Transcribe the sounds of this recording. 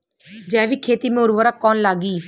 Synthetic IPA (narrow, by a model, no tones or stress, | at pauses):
d͡ʒɛːʋiːkʰeːt̪iːmẽʊɾʋəɾakɔːnlaːɡiː